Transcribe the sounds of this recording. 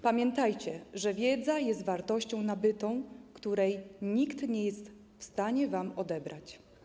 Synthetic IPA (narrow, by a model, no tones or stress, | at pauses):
pamʲjɛnt̪ajt͡ɕɛʐɛvʲjɛd̪zajɛst̪vaɾt̪ɔɕt͡ɕɔ̃w̃nabɘt̪ɔ̃w̃kt̪uɾɛjɲikt̪ɲɛjɛst̪ | fst̪aɲɛvamɔd̪ɛbɾʔat͡ɕ